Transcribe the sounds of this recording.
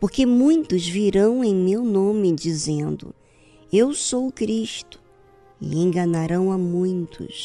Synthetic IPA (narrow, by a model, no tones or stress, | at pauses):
poɾkemũj̃t̪ʊzviɾɐ̃w̃ẽj̃mewnõmɪd͡ʒizẽnd̪ʊ̰ | ewsowʊkɾiʃt̪ʊ̥ | ɪ̰ẽj̃ɡɐ̃naɾɐ̃w̃amũj̃t̪ʰʊ̰s